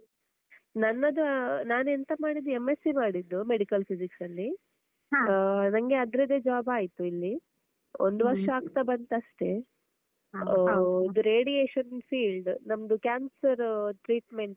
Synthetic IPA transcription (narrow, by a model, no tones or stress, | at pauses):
nɐnːɐd̪unaːnent̪ɐmaːɽid̪ːuemːesimaːɽid̪ːumeɽikɐlpʰisiksɐlːi | nɐŋɡe̞ɐd̪ɾɐd̪ed͡ʒɐʋaːbaːjit̪uilːi | o̰nd̪uʋɐɾʂɐaːɡt̪abɐnt̪ɐʃʈe̞ | id̪uɾeːɽijeːʃɐnfiːlɖnɐmɐd̪ukʲaːnsɐɾʈɾiːʈme̞ɳʈ